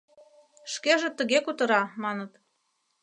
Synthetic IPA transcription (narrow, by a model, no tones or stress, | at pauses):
ʃkeʒĕt̪ə̆ɣekut̪ɤ̆ɾɑmɑnət̪